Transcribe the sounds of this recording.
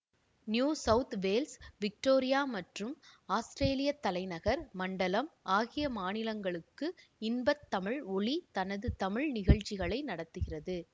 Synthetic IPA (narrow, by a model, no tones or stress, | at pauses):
njuːsɐʊt̪ʋeːlsʋɪk̚ʈoːɾɪjaːmɐʈrɯmaːsʈɾeːlɪjɐt̪ːɐlɐɪnɐɣɐɾmɐɳɖɐlɐmaːɣɪjɐmaːnɪlɐŋɡɐɭɯkːɯɪnbɐt̪ːɐmɪɻɔɭit̪ɐnɐðɯt̪ɐmɪɻnɪɣɐɭt͡ʃːɪɣɐɭɐɪnɐɽɐt̪ːɯɣɪrɐðɯ